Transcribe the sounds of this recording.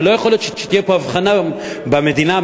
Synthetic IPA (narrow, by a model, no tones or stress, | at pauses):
lo̞jaχoljot̪ʃʃet̪ijepo̞avχana | beme̞d̪ina